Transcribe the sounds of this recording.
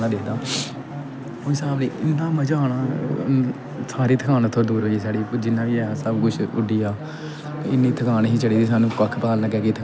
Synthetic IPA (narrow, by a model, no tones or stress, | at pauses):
nãːd̪eːd̪aː | õːɪsaːbliːʔɪnːãːməd͡ʒaːnaː | saːɾiːt̪ʰəkʰaːnt̪ʰːõːd̪uːɾɦoisaːɽiːd͡ʒɪnːãːʋiːɛːsəbkʊt͡ʃʰʊɖiːaː | ɪnːiːt̪ʰəkʰaːnɦiːt͡ʃəɽiːd̪iːs̬aːnũːkəkʰːpaːlləɡɛːkiːt̪ʰə